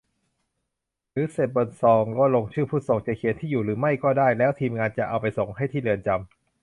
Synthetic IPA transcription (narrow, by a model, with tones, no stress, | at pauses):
ɾɯː˨˩˦se˨˩t̪̚bo˧nsɔː˧ŋkɔː˥˩lo˧ŋt͡ɕʰɯː˥˩pʰuː˥˩so˧ŋt͡ɕa˨˩kʰi˨˩˦nt̪ʰiː˥˩juː˨˩ɾɯː˩˦ma˥˩jkɔː˥˩daː˥˩jlɛː˦˥wt̪ʰiː˧mŋaː˧nt͡ɕa˨˩ʔa˧wpa˧jso˨˩˦ŋɦa˥˩jt̪ʰiː˥˩lɯ˧ənt͡ɕa˧m